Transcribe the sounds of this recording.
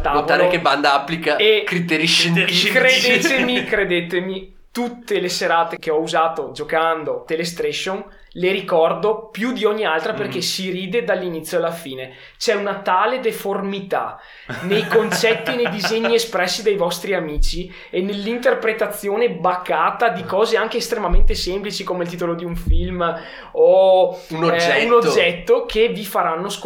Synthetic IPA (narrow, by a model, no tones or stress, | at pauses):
t̪avt̪aɾekeband̪aapːlikaekɾit̪eɾiʃenkɾed̪et̪emikɾed̪et̪emi | t̪ut̪ːeleseɾaːt̪ekeɔuzaːt̪od͡ʒokand̪ot̪eles̬t̪ɾɛʃon | leɾikɔrd̪opjud̪iɔɲːialt̪ɾaperkesiɾiːd̪ed̪alːinit̪sːjoalːafiːne | t͡ʃɛunat̪aːled̪eformit̪a̰ | nejkont͡ʃɛt̪ːinejd̪izɛɲːiespɾɛsːid̪ejvɔst̪ɾiamiːt͡ʃi | enːelːint̪erpɾet̪at̪sːjoːnebakːaːt̪ad̪ikɔːzeaŋk̟eːst̪ɾemament̪esemplit͡ʃikomelt̪it̪olod̪iuɱfilm | ouunod͡ʒːɛt̪ːokʰevifaɾanːosk